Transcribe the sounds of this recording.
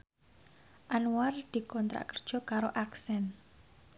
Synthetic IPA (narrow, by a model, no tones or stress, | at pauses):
ʔanuward̪̥i̤kɔnt̪ɾa̰ʔkərd̥ʒ̥ɔ̤kaɾoʔaksɛn